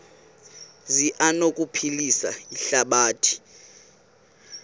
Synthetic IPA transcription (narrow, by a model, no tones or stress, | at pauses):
ziʔanokʼupʰilisaiɬaɓaːtʰi̥